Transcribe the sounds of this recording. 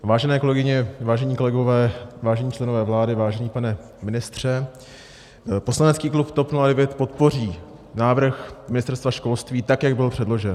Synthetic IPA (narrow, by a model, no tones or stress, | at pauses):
vaːʒɛnɛːko̞lɛɡɪɲɛvaːʒɛɲiːko̞lɛɡo̞vɛːvaːʒɛɲiːt͡ʃlɛnovɛːvlaːdɪvaːʒɛɲiːpanɛ | mɪnɪst̪r̝̥ɛ | po̞slanɛt͡skiːklupt̪o̞pnuladɛvjɛt̪po̞t̪po̞r̝iː | naːvr̩xmɪnɪst̪ɛɾst̪vaʃko̞lst̪viːt̪akjaɡbɪlpr̥ɛdlo̞ʒɛn